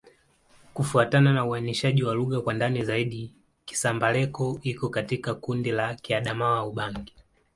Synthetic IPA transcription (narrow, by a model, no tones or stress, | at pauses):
kufuatananauaniʃaʄiwaluɣakwandanizaiɗi | ki̥sambalɛkɔikɔkatikakundilakiaɗamawauɓaŋɡi